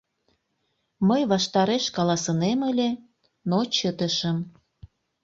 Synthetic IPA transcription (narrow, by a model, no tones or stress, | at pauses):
məjβɑʃt̪ɑɾeʃkɑlɑsəneməlʲe | not͡ɕət̪əʃəm